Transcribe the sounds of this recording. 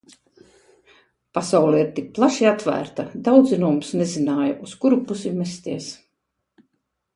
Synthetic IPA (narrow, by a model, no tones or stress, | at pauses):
pasawlˠɛiɾt̪ik̚plˠaʃiat̪væ̰ːɾt̪ad̪awd̪zinumsnezinaːjaʔuskuɾupusimɛst̪iɛs